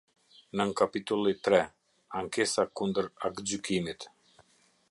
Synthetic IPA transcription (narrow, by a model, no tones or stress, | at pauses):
nəŋkapit̪ulˠit̪ɾɛ | aŋkesakund̪əɾakd͡ʑykimit̪